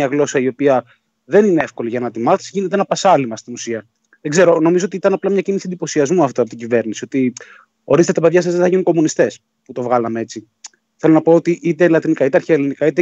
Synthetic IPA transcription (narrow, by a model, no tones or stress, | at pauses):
ɐɣlo̞sɐio̞piɐ | ðe̞nineefko̞liʝɐnɐt̪imɐθi̥siʝinet̪eenɐpɐsɐlimɐst̪inusiɐ | ðeɡze̞ɾo̞no̞mizo̞ot̪it̪ɐnɐplɐmɲɐcinisiend̪ipo̞siɐzmuɐft̪oɐpot̪iɟive̞ɾnisio̞t̪i | o̞ɾist̪t̪ɐpeðʝɐs̬ezðeθɐʝinuŋko̞munist̪e̞s | put̪o̞vɣɐlɐmee̞t͡si | θe̞lonɐpo̞ot̪iʔit̪e̞lɐt̪inikɐit̪e̞ɐɾçeelinikɐit̪e